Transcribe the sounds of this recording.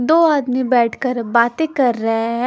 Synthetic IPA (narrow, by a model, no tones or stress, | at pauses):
d̪oːaːd̪mibɛːʈʰkəɾbaːt̪ekɐɾːəɦeɦɛ̃